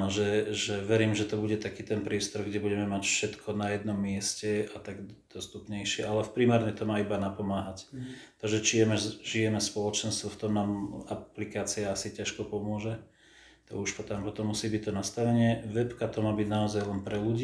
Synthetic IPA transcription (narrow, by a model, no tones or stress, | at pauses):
nɔʒɛʒɛʋɛɾiːmʒɛt̪ɔbuɟɛt̪akiːt̪ɛnpɾɪɛst̪ɔɾɡɟɛbuɟɛmɛmacfʃɛt̪kʰɔnajɛd̪nɔmːɪɛscɛat̪aɡd̪̥ɔst̪upɲɛjʃɪɛʔalɛfpɾimaːɾɲɛt̪ɔmaːibanapɔmaːɦact̪aɡʒɛt͡ʃijɛmɛʒijɛmɛspɔlɔt͡ʃɛnst̪ʋɔft̪ɔmnaːmaplikaːt͡siaasicaʃkɔpɔmʊɔʒɛ | t̪ɔ̰uʃpɔt̪ampɔt̪ɔmːusiːbic̚t̪ɔnast̪aʋɛɲɪɛʋɛpkat̪ɔmaːbiɟnaɔzajlɛnpɾɛluɟiː